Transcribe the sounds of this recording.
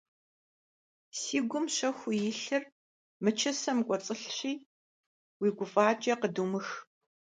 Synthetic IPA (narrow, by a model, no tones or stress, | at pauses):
siːɡʷʊmɕɐxʷʊjɪɬɨr | mɨt͡ʃʰɐsɐmkʷʼɔt͡sʼɨɬɕiː | wiːɡʷʊfʼaːt͡ʃʼɐqədumɨx